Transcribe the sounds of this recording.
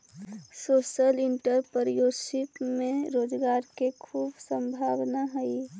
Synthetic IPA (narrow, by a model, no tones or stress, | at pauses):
soːʃəlɪɳʈəɾpəɾjoːsik̪mẽɾoːd͡ʒɡaːɾkekʰuːbsə̃mbʱaːʋnaɦɛi